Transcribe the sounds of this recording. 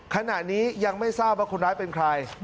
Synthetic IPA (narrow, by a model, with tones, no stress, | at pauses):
kʰa˧na˨˩ʔniː˦˥ja˧ŋma˥˩jsaː˥˩p̚waː˥˩kʰu˧nɾaː˦˥jpe˧nkʰɾa˧j